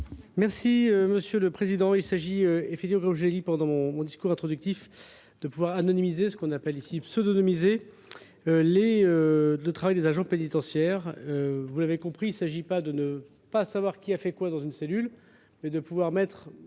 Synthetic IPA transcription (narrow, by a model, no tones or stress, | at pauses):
mɛʁsiøməsjøləpχezid̪ɑ̃ilsaʒiøefɛk̚t̪ivmɑ̃kɔmʒəlɛlipɑ̃d̪ɑ̃mɔ̃mɔ̃d̪iskuʁɛ̃t̪χɔd̪yk̚t̪if | d̪̥əpuvwaʁanɔnimizesə̥kɔ̃napɛlisipsød̪ɔnɔmize | øleølət̪χavajd̪ezaʒɑ̃penit̪ɑ̃sjɛʁøvulavekɔ̃pχiːlsaʒipad̪ənə | pasavwaʁkʲiafɛkwad̪ɑ̃zynselyl | mɛd̪əpuvwaʁmɛt̪χ